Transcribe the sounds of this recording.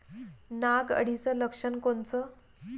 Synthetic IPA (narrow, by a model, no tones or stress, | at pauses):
naɡə̰ɽit͡sələkʂənkont͡sə